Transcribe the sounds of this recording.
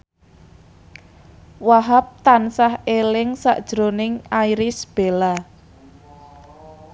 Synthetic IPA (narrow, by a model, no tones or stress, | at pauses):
waɦap̚t̪ansahelɪŋsa̰ʔd̥ʒ̥ɾonɪŋaiɾɪsb̥e̤la